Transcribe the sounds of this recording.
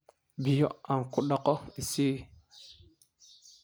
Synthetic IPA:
bijoaŋkuɗokoisi

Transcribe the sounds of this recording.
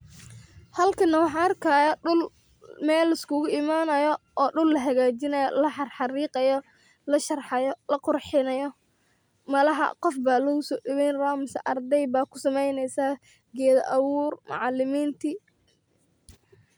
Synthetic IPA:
hɐlkʰɐnɐwɑħɑːnɐrkʰaːjɐʊl | mɛːlːɪskʊɣʊɪmaːnɐjɔɔːɖʊlːɐɦɐɣaːt͡ʃɪnɐjɔ̰lɐħɑrħɑriːqɑjɔ | lɐʃɐrħɑjɔlɐqʊrħɪnɐjɔ | mɐlɐɦɐ̰qɔfbaːlɔːɣʊsɔːɖɪwɛjnraːmɪsɐʔɐrd̪ɛjbaːkʰʊ̥sɐmɛjnɛjsaː | ɡɛːðɐʔɐwuːrmɑ̰ʕɑlːɪmiːnt̪ʰɪ

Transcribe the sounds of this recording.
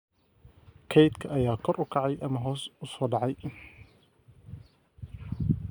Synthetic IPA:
kʰɛjt̪kʰɐʔɐjaːkʰɔɾʔʊkʰɑʕɑjʔɐmɐɦɔːsʊsɔːɖɑʕɑj

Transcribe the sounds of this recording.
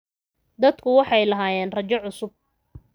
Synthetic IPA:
d̪ɐd̪kʰʊwɑħɑjlɐɦaːjɛːnrɐt͡ʃɔʕʊsʊb̚

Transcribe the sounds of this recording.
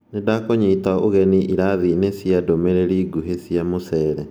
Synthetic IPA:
nedakoɲiːtaoɣɛniʔiɾaðinesjadomeɾeɾiɡuɦesjamosɛːɾɛ

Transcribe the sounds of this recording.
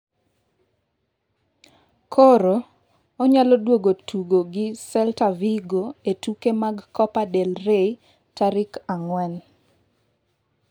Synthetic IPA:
kʰoɾo | ɔɲalɔdwoɡotuɡoɡɪsɛltaviɡoetukemaɡkɔpadelrei | taɾɪkaŋwɛn

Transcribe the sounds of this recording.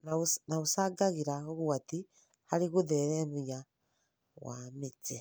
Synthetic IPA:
nanausaɡaɣiɾaoɣuati | haɾiɣuðeɾemuja | wa̰mit͡se

